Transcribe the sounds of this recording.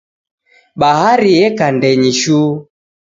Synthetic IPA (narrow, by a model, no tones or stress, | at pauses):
ɓaɦaɾiɛkandɛɲiʃu